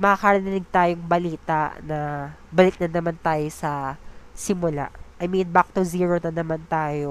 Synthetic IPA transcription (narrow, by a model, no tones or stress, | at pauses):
mɐkɐkɐɾɐnɪnɪɡ̚t̪aːjoŋbɐliːt̪a̰ʔnɐbɐlɪk̚nɐnɐmant̪aːjo̞sɐsɪmʊla̰ʔʔɐjminbak̚t̪ʊziːɹonɐnɐmant̪aːjo